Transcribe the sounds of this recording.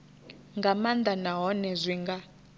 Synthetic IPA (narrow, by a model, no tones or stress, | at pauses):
ŋɡamand̪anaɦɔnɛzʷiŋɡa